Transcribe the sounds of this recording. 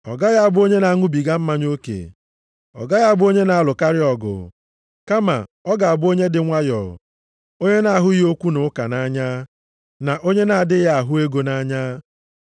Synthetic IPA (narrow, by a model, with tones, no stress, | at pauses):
ɔ̰˨ɡa˦ja˦a˨bʊ˦o˦ɲe˦na˨a˦ŋʊ˦bi˨ɡa˦m̩˦ma˦ɲo˦kḛ˨ | ɔ̰˨ɡa˦ja˦a˨bʊ˦o˦ɲe˦na˨a˦lʊ˨ka˦ɾɪ˦ɔ˨ɡʊ̰˨ | ka˦ma̰˨ɔ˦ɡa˨a˨bʊ˦o˦ɲe˦dɪ˨ŋʷa˦jɔ̰˨ | o˦ɲe˦na˨ɦʊ˦o˦kʷu˦nʊ˨˦ka̰˨na˦ɲa˦ | na˨ʔo˦ɲe˦na˨a˨dɪ˦ja˨a˨ɦʊ˦e˦ɡo˨na˦ɲa˦